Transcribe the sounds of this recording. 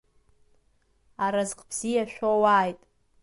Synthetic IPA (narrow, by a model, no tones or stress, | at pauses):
aɾazqʼbz̥ijaʃʷᶣowaːjtʼ